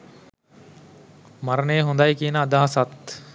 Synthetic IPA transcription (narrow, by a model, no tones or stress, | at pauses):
mɐɾɐneːɦund̪ajkinəːd̪aɦɐsɐt̪